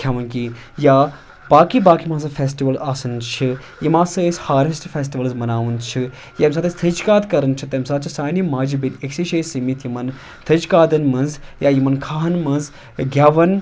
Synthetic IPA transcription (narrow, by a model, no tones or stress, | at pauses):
kʲʰaːʋɐnkijaː | b̥aːkibaːkimaːs̬ɐfʲeːsʈiʋɐlaːsɨnt͡ʃʰi | jimãːsɐeshaːɾisʈfʲeːs̬ʈiʋɐlzmɐnaːʋɨnt͡ʃʰi | jaɐmsaːt̪ɐst̪ʰəd͡ʒkaːt̪kɐɾɐnt͡ʃʰit̪ɐmsaːt̪̚t͡ʃʰisaːnimaːd͡ʒibineksiʃeːsimit̪ʰjimɐn | t̪ʰɐd͡ʒkaːd̪ɐnmɐnzjaːjimɐnkʰaːɦɐnmɐnz | ɡʲaːʋɐn